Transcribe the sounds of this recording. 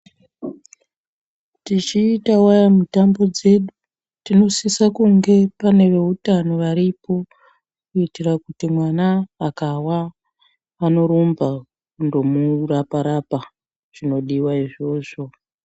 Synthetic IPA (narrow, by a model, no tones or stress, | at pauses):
tit͡ʃiːtawajamutambo̞d͡ze̞ɗu | tino̞sisakuŋɡe̞pane̞ʋe̞utano̞ʋaɾipo̞ | kuitirakutimwanaakawa | ano̞ɾumba | kundo̞murapaɾapa | ʐ̥ino̞ɗiwaiʐo̞ːʐo̞